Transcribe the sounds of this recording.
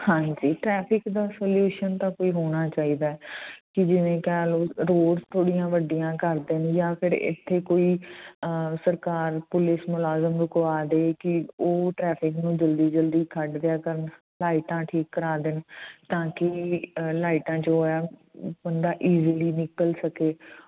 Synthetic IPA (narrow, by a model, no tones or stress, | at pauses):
hãːd͡ʒiːʈɾɛːpʰɪkd̪aːsoːljuːʃənt̪ãːkoːiːɦoːɽ̃aːt͡ʃaːiːd̪aːɛkɪd͡ʒɪʋẽːkɛːloːɾoːɖst̪ʰoːɽijãːʋəɖijãːkəɾd̪enjaːpʰɪɾɪ̰t̪ʰːeːkoːiː | səɾkaːɾpʊlɪsmʊlaːzəmɾʊkʋaːd̪eːkɪoːʈɾɛːpʰɪknũːd͡ʒəld̪iːd͡ʒəld̪iːkʰəɖd̪ejaːkəɾən | laːɪʈãːʈʰiːkːəɾaːd̪ent̪ãːkɪlaːɪʈãːt͡ʃoaːbənd̪aːʔiːziliːnɪkəlsəkeː